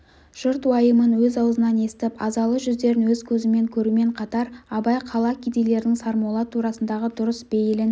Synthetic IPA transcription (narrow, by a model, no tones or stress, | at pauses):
ʒ̥ʊɾt̪wɑjəmənwɵzɑwəzənɑne̞st̪ɪpɑzɑlˠəʒʏzd̪e̞ɾɪnwɵzkʲʰɵzɪme̞ŋkʲʰɵɾume̞ɴqʰɑt̪ɑɾɑbɑjqʰɑlˠɑkʲʰid̪ejle̞ɾd̪ɪŋsɑɾmɑlˠɑt̪ʰuɾɑsənd̪ɑʁəd̪ʊɾəsbejɪlɪn